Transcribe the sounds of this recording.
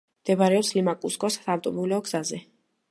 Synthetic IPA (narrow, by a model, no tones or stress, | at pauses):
md̪̥ɛbaɾɛɔpslimakʼuskʼɔst̪ʰavt̪ʼɔbulɛɔɡzazɛ